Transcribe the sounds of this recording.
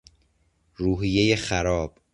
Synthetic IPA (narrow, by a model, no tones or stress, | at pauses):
ruːɦijeje̞xæɾɒːb̥